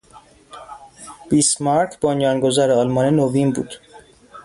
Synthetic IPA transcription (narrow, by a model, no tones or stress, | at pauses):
b̥ismɑɾkʰbonjɒːnɡozæɾeɒlmɒːnenovinbṵːd̪̥